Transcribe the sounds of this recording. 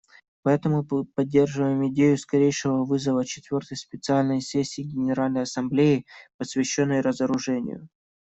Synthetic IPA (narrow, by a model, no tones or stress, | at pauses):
pɐɛt̪əmʊpɐdʲːe̞rʐɨvəjɪmɪdʲejʊskɐɾʲejʂɨvəvɨzəvət͡ɕɪ̥t̪vʲo̞rt̪əjspʲɪt̪sɨalʲnəjsʲesʲːɪːɡʲɪnʲɪɾalʲnəjɐsɐmblʲejɪpəsʲvʲɪɕːo̞nːəjɾəzəɾʊʐɛnʲɪ̰jʊ̰